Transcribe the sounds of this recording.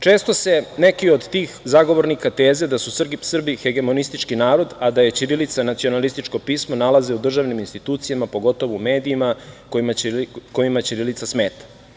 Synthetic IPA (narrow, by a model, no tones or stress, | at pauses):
t͡ʃe̞ːst̪o̞se̞ne̞kio̞d̪t̪iːxzaɡo̞ʋo̞ɾnikat̪e̞ːze̞d̪asussr̩bixe̞ɡe̞mo̞nist̪it͡ʃkinaːɾo̞d̪ad̪aje̞t͡ɕiɾilit̪sanat̪sio̞nalist̪it͡ʃko̞piːsmonalaze̞ud̪r̩ʒaʋniminst̪it̪uːt̪sijamapo̞ɡo̞t̪o̞ʋoume̞ːd̪iːmakomako̞jimat͡ɕiɾilit̪asme̞ːt̪ḁ